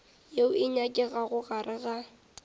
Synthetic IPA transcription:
jeʊɪɲakʼɪɣaɣʊɣarʔɪɣa

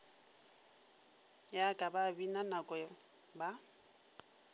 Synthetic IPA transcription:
jakʼababinanakʼɔ | ba

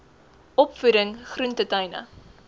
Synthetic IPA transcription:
ɔpfuɾəŋχruntətɐjnə̰

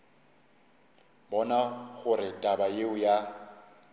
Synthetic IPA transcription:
bɔnaɣʊrɪtʼabajeʊja

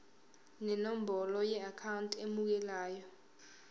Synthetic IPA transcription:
nɛnom̩bɔlɔjɛakʰawuntʼemuk̬ɛlaːjɔ

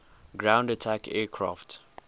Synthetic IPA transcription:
ɡɹãʊ̃ndatʰakʰɛːkʰɹa̰ft

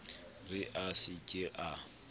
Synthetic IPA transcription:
rɪʔasɪkʼɪʔa

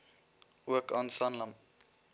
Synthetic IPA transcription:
ʔuəkɑːnsɐnləm

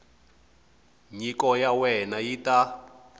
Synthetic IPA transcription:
ɲikɔjawɛnajita

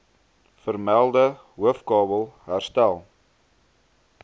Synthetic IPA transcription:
fərmælˠdə | ɦuəfkɑːbəlˠɦærstælˠ

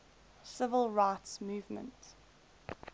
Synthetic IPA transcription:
sɪvəlˠɹaɪtsmuːvmə̰̃nt

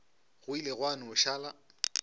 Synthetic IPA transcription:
ɣʊileɣwanʊʊʃaːla

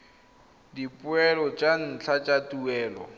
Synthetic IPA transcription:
dipʼʊɛlɔt͡ʃʼan̩t͡ɬʰat͡ʃʼatuɛːlɔ̰

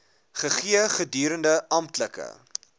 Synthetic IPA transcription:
χəχiəχədyːɾəndəʔɐmtləkə̰

